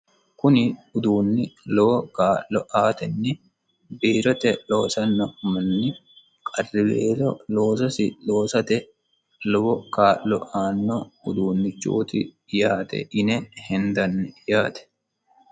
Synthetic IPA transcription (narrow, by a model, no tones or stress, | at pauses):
kʊnɪʊd̪uːnːɪlɔbɔkaːʔlɔʔaːt̪ɛnːɪ | biːɾɔt̪ɛloːsɐnːɔmɐnːɪ | kʼɐrːɪbḛːɾɔlo̞ːsɐsɪlo̞ːsɐt̪ɛ | lɔwɔkaːlːɔ̰ʔaːnːɔʊd̪uːnːɪt͡ʃːṵːt̪ɪ | jaːt̪ɛ̰ʔɪnɛhɛnd̪ɐnːɛjaːt̪ɛ̥